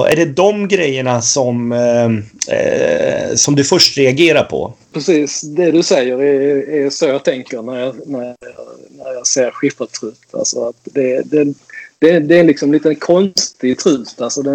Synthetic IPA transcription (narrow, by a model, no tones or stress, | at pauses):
ʔæ̰ɖɛd̪ɔmɡɾɛjːəɳasɔm | sɔmd̪ɵfœʂʈɾɛaɡeːɾaɾpʰɔ̰pʰɾɛsiːsd̪ɛd̪ɵsɛjːəɾɛæɾsoːjɑt̪ʰɛŋkəɾnæɾjɑnæɾjɑ̰ːnæɾjɑseːɾɧɪfat̪ʰɾʉ̟ːt̪a̰lsɔat̪d̪ɛd̪ɛd̪̥ɛd̪ɛɾɛnlɪksɔmliːt̪ənkʰɔnst̪ɪt̪ʰɾʉ̟ːt̪alsɔd̪ɛ